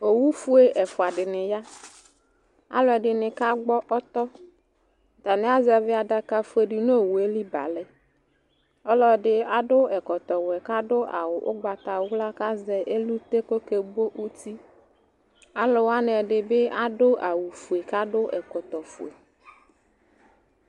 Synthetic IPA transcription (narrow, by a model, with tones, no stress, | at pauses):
o˨wu˦fu˦e˦˨ʔɛ˨fʊ˨a˨ɖɪ˨nɪ˨ja˦ | a̰˦lo˦ɛ˨ɖɪ˨nɪ̃˨ka˦ɡ͡bɔ˦ʔɔ˦t̪ɔ˦ | d̪a˨nɪ̃˨˦a˦zɛ˨vɪ˦a˨da˨ka˨fu˦e˨ɖɪ˨no˦˨wu˨e˦li˦ba̰˨lɛ˦ | ɔ˦lɔ˦˨ɖɪ˦a˦ɖʊ˦ɛ˨kɔ˨t̪ɔ˨wɛ˨ka˦ɖʊ˦ʔa̰˨wʊ˨ʔʊ̰˦ɡ͡ba˨t̪a˨˦wla˦ka˦zɛ˨ʔe˦lu˦t̪e˦ko˦ke˨bo˦ʔu˦t̪i˦ | a˦lo˨wa˦n˨ɛ˨ɖɪ˨be˦a˦ɖʊ˦ʔa˨wu˨fu˨e˨ka˦ɖʊ˦ʔɛ̰˨kɔ˨t̪ɔ˨fṵ˨ḛ˨